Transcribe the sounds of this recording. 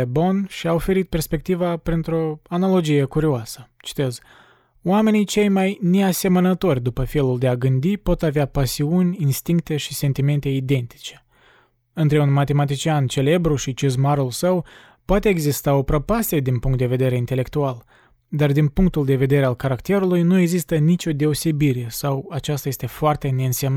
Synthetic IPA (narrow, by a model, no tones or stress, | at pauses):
ebo̞nʃiaofe̞ɾit̪̚pe̞rspe̞k̚t̪ivapɾint̪ɾo̞analo̞d͡ʒije̞kuɾioasə̥t͡ʃi̥t̪e̞z | oame̞nijt͡ʃe̞jmajne̞ase̞mənət̪o̞rʲd̪upəfe̞luld̪e̞aɡɨnd̪ipo̞t̪aveapasiunʲinst̪iŋkt̪e̞ʃise̞nt̪ime̞nt̪e̞id̪e̞nt̪i̥t͡ʃe̞̥ | ɨnt̪ɾe̞unmat̪e̞mat̪it͡ʃiant͡ʃe̞le̞bɾuʃit͡ʃizmaɾulsəw | poat̪e̞ːɡzist̪aopɾopasied̪inpuŋkt̪̚d̪e̞ve̞d̪e̞ɾe̞int̪e̞le̞kt̪ual | d̪ard̪inpuŋk̚t̪uld̪e̞ve̞d̪e̞ɾe̞alkaɾakt̪e̞ɾulujnue̞ɡzist̪ənit͡ʃʲo̞d̪e̞ose̞biɾe̞sawat͡ʃast̪aje̞st̪e̞foart̪e̞ne̞ɨnsemn